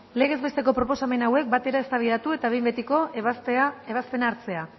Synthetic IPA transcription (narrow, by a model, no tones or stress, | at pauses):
le̞ɣe̞zβe̞st̪e̞ko̞pɾo̞po̞same̞nawe̞k̚bat̪e̞ɾae̞st̪aβ̞iðat̪ue̞t̪aβe̞jmbet̪iko̞ | eβaspe̞naːɾt͡se̞a